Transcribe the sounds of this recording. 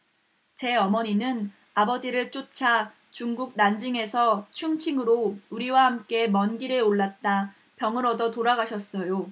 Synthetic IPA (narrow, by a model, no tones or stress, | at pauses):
t͡ɕe̞ʌmʌɲinɯn | abʌd͡ʑiɾɯɭt͡ɕ͈ot͡ɕʰa | t͡ɕuŋɡuk̚nand͡ʑiŋe̞sʰʌt͡ɕʰuŋt͡ɕʰiŋɯɾouɾiwahamk͈e̞mʌnɡiɾeoɭːat̚t͈a | pjʌŋɯɾʌdʌtoɾaɡaɕʰʌs͈ʌjo